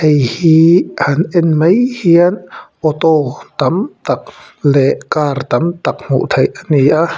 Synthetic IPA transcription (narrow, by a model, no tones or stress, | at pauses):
ʔejhiʔanʔɛnməjhiənʔɔt̪ɔt̪ɐmt̪ak̚ | lɛʔkaːrt̪ɐmt̪ak̚m̥ṵʔt̪ʰɐjʔaniʔa